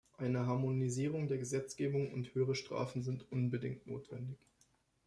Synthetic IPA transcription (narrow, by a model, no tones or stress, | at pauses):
ʔaɪnəɦaɐmoniziːʁ̞ʊŋdeːɐɡəzɛt͡sɡ̥eːbʊŋʊ̰nthøːəʁ̞əʃtʁ̥a̰ːfn̩zɪntʔʊnbədɪ̰ŋtno̰ːtv̥ɛndɪç